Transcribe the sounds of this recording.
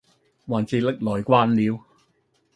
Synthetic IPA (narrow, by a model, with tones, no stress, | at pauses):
waː˨˩nt͡siː˧lɪ˥k̚lɔː˨jkʷwaː˥nliː˨˧w